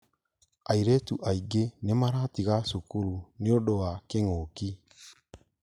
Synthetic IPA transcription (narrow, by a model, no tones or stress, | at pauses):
aiɾɛtuʔaiɡenemaɾatiɣasukuɾuneoɗoakeŋoki